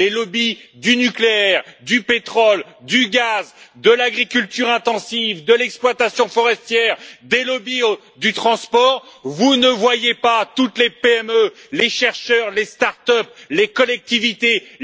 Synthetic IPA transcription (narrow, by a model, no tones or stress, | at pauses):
lelɔbid̪ynykleɛʁd̪ypet̪χɔld̪yɡʲazd̪əlaɡʁikʲylt̪yʁɛ̃t̪ɑ̃sivd̪əlɛksplwat̪asjɔ̃fɔʁɛst̪jɛʁd̪elɔbio | d̪yt̪χɑ̃spɔːʁvunəvwajepat̪ut̪lepeɛmøleʃɛʁʃœʁlest̪aʁt̪œp̚lekɔlɛk̚t̪ivit̪e